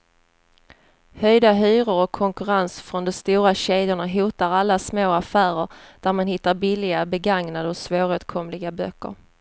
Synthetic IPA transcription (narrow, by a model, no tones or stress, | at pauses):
hœjd̪aɦyːɾəɾɔkʰːɔŋkɵɾansfɾɔnd̪ɔmst̪uːɾaɕeːd̪jʊɳaɦuːt̪aɾalːasmoːafæːɾəɾd̪̥æɾmanhɪt̪ːaɾbɪlːɪɡabɛɡaŋnad̪əɔsvoːɾʉːt̪kʰɔmlɪɡabœkːə̰ɾ